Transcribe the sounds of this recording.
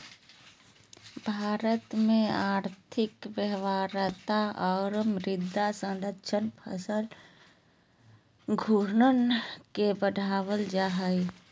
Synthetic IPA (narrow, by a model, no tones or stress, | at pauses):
bʱaːɾət̪mẽaːɾt̪ʰɪkʋjəɦʋaːɾət̪aɔːɾmɾɪd̪ʱːasə̃nd̪əʃʰənpʰə̰səl | ɡʱuɾnənkebəɖʱaːwəld͡ʒaːɦəi